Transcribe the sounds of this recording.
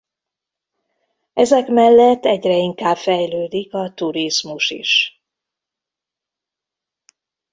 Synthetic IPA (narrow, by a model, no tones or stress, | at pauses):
ɛzɛkmɛlːɛt̪ːɛɟrɛiŋkaːbfɛjløːd̪ikɒt̪uɾizmuʃḭʃ